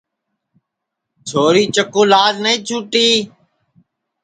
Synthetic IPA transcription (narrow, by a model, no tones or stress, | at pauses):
t͡ʃʰoːɾiːt͡ʃəkõːlaːd͡ʒnəĩːt͡ʃʰuːʈiː